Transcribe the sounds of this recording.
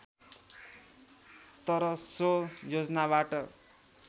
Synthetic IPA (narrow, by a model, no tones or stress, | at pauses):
t̪ʌɾʌsojod͡znaβaʈʌ